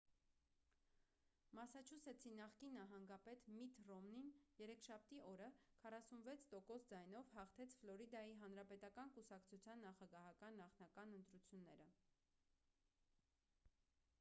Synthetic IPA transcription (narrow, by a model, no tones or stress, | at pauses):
mɑsɑt͡ʃʰusɛt͡sʰinɑχkinːɑɦɑŋɡɑpɛt̪mit̪rɔmninjɛɾɛkʰʃɑp̚t̪iʔɔɾəkʰɑrɑsunvɛt͡sʰt̪ɔkɔsd͡zɑjnɔvhɑχt̪ʰɛt͡sʰflɔɾid̪ɑjiɦɑn̪ɾɑpɛt̪ɑkɑnkusɑkt͡sʰut͡sʰjɑnːɑχɑɡɑɦɑkɑnːɑχnɑkɑnənt̪ɾut͡sʰjunːɛɾə